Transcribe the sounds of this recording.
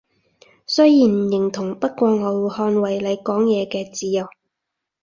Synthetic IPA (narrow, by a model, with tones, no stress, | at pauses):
sɵ˥jjiː˨˩n˨˩jɪ˨˩ŋt̪ʰʊ˨˩ŋpɐ˥t̚kʷɔː˧ŋɔː˨˧whɔː˧nwɐ˨˩jle˨˧jkɔː˨˥ŋjɛː˨˧kɛː˧t͡siː˨˧jɐ˨w